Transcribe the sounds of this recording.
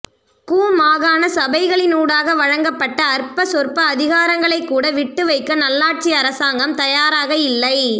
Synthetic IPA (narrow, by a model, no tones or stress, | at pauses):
kuːmaːɣaːnɐsɐbɐɪɣɐɭɪnuːɽaːɣɐʋɐɻɐŋɡɐpːɐʈːɐːɾpɐsɔɾpɐːðɪɣaːɾɐŋɡɐɭɐɪkːuːɽɐʋɪʈːɯʋɐɪkːɐnɐlːaːʈ̚t͡ʃiɐɾɐsaːŋɡɐmt̪ɐjaːɾaːɣɐɪlːɐɪ